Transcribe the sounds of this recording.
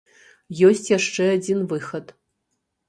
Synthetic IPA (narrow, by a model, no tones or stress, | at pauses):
jɔsʲt͡sʲjaʂt͡ʂɛad͡zʲinvɨxɐt̪